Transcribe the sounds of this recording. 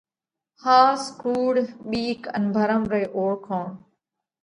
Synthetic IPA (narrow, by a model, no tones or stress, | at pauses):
haːskuːɽɓiːkə̰nbʱəɾəmɾeːʔoːɾkʰõːɳ